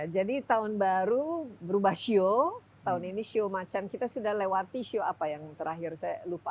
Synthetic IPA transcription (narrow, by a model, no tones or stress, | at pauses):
jad͡ʒadit̪aʊnbaɾubəɾubahʃio | t̪aʊniniʃiomat͡ʃankit̪asudahlewat̪iʃioapajaŋt̪əɾaɦɪrsajalupa